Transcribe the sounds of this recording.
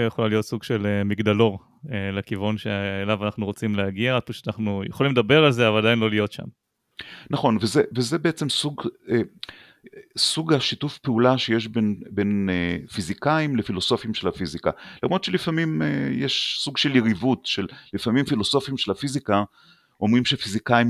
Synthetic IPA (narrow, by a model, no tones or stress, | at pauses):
jeχolalijo̞t̪suɡʃelemiɡd̪alo̞ʁ | elekivunʃeelavanaχnuʁot͡simleaɡiaad̪̚paʃeanaχnujeχolimledabe̞ʁalzeavalad̪ainlolijo̞tʃa̰m | naχo̞nvezevezebeet͡se̞msuɡe | suɡaʃitufpeulaʃe̞je̞ʃ̬be̞nbe̞nefizikaimlefilo̞so̞fimʃelafizika̰lamʁod̪t͡ʃelifamimḛjeʃsuɡʃeliʁivutʃe̞llifamimfiloso̞fimʃelafizika | o̞mʁimʃefizikaim